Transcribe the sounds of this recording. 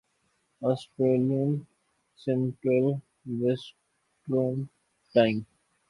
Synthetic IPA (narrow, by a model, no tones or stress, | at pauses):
ɔːsʈɾeːliə̃n | sɛ̃ɳʈɾəl | ʋes | ʈɾõn | ʈãɪ̃m